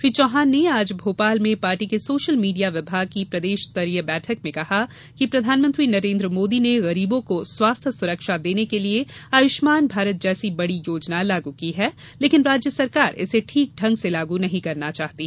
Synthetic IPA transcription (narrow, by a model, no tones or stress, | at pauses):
fɪt͡ʃɔːɦaːnːeaːd͡ʒbʱoːpaːlmẽpaːɾʈikesoːʃəlmiːɖijaʋɪbʱaːɡ̚kipɾɐd̪eːʃt̪ɐɾjəbɛːʈʰəkmẽkɐha | kipɾɐd̪ʱaːnmə̃nt̪ɾinɐɾẽːnd̪ɾəmoːd̪ineɣɐɾiːbõkoswaːst̪ʰsʊɾəkʃad̪eːnekelieaːjʊʃmaːnbʱaːɾət̪̚d͡ʒɛːsibɐɽijoːd͡ʒnalaːɡukiɦɛː | leːkɪnɾaːd͡ʒjəsɐɾkaːɾɪ̰seʈʰiːk̚ɖʱɐ̃ŋɡselaːɡunɐɦĩkɐɾnat͡ʃaːɦt̪iɛ